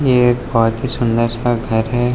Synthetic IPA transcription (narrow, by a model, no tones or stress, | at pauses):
jebɔɦʊt̪ɦisʊ̃nd̪əɾsaɡʱɐɾɦɛ